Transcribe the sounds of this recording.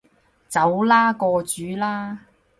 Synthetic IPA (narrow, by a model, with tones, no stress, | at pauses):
t͡sɐ˨˥wlaː˥kɔː˧t͡ʃyː˨˥laː˥